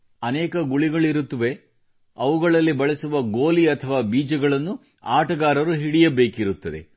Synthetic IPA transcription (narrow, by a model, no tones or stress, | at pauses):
ɐnɛːkɐɡuɭiɡɐɭiɾut̪ːɐʋe̞ | ɐʋuɡɐɭɐlːibɐɭɐsuʋɐɡoːliɐt̪ʰɐʋaːbiːd͡ʒɐɡɐɭɐnːu | aːʈɐɡaːɾɐɾuɦiɽijɐbe̞ːkiɾut̪ːɐd̪e̞̰